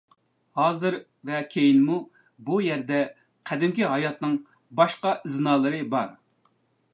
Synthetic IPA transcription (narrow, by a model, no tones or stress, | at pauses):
hɑːzɨɾ | vɛkʲʰejinmu | bujɛɾd̪ɛ | qʰɛd̪ɪmkʲiɦɑjɑt̪nɨŋ | bɑʃqɑʔɪznɑːlˠɨɾɨbɑɾ